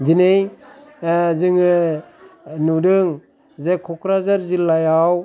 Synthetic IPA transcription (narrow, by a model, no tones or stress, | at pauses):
zinej | zɯŋɯ | nudɯŋ | zekʰɔkʰɾazaɾzilːajaw